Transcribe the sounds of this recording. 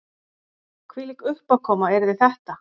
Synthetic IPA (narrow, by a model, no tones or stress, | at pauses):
kʰvilikʏhpakʰɔːmaɛɾðɪθɛht̪a